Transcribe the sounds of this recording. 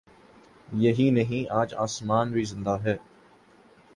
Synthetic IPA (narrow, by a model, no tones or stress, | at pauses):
jɐɦinɐɦĩaːd͡ʒaːsmaːnbizɪ̃nd̪aɦɛː